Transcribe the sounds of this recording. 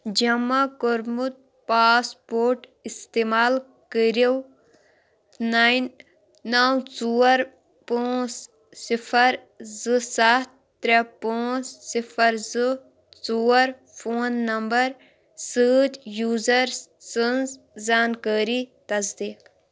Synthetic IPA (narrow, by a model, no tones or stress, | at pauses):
d͡ʒɐmakoɾmut̪̚ | paːspoːɾʈ | ist̪eːmaːl | kəɾew | naːjnː | aːwt͡suːɐɾ | poːs | sifʰɐɾ | zɨsat̪̚ːɾepoːssifɐɾzɨ | t͡suɐɾ | fʰoːnːɐmbɐɾ | səːt̪juːzɐɾssənz | zaːnkəːɾit̪ɐzd̪iːk